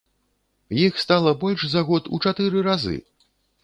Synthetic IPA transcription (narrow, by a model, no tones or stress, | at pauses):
jixst̪alˠɐbɔlʲʂzaɣɔt̪ut͡ʂat̪ɨɾɨɾazɨ̰